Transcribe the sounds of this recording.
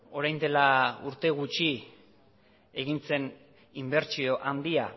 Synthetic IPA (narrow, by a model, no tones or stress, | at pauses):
o̞ɾajnd̪e̞lauɾt̪e̞ɣ̞ut͡ʃi | e̞ɣ̞int͡se̞n | imbe̞ɾt͡sio̞ʔand̪ia